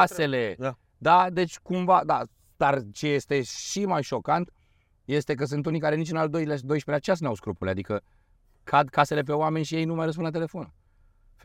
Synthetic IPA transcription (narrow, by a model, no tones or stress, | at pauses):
ase̞le̞ | d̪ad̪e̞t͡ʃʲkumvad̪a | d̪̥art͡ʃe̞je̞st̪e̞ʃimajʃo̞kant̪ | je̞st̪e̞k̬əs̬ɨnt̪unikaɾe̞nit͡ʃɨnald̪o̞jlad̪o̞jʃpeat͡ʃeas̬ɨnawskɾupulead̪ikə | kʰad̪kase̞le̞p̬e̞oame̞nʲʃije̞jnumajrəsp̬unlat̪̬ele̞fo̞n | f